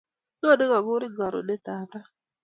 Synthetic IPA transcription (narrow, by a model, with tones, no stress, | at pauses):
no˦˨dɪ˦ɣɔ˨ɡʊ˦ɾɪ˦ɡɔ˨ɾʊ̰˨de˦ta˨bɾa˦